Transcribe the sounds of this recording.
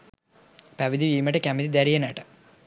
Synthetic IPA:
paʋid̪iʋiːmɐʈɐkʲamid̪id̪aɾijɐnaːʈɐ

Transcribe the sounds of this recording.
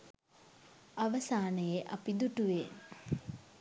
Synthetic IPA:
aʋɐsaːnəjeʔapid̪uʈuʋe

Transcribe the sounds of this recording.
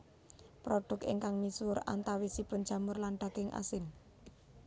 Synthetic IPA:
pɾoɖ̥ʊ̤kɪ̰ŋkaŋmisʊɾa̰nt̪awisipʊn̥d͡ʒ̥a̤mʊrlanɖ̪̥a̤ɡ̥ɪŋʔa̰sɪn

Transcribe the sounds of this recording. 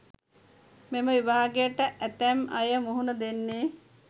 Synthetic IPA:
meməʋiʋaɦaɡejəʈəʔæt̪æmɐjəmuɦunəd̪enːeː

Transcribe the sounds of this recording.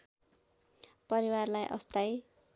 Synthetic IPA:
pʌɾiwarlajʔʌ̰st̪aj

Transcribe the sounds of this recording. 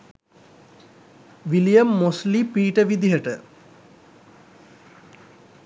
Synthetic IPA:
ʋilijəmːoslipiːʈəʋid̪iɦəʈə

